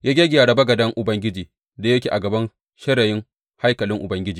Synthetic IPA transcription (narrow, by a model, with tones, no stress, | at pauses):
jaː˦ɡʲa˦ɡʲɪ˨jaː˨ɽɐ˨bɐ˦ɡɐ˨dɐ˦ŋʔʊ˨bɐ˦ŋɡʲɪ˦d͡ʒiː˨ | da˨jɐ˦kʲeː˨ʔa˨ɡɐ˨bɐ˦n | ʃɐ˦ɽɐ˨jɪ˦ŋ | ha˦jkɐ˨lɪ˦ŋʔʊ˨bɐ˦ŋɡʲɪ˦d͡ʒiː˨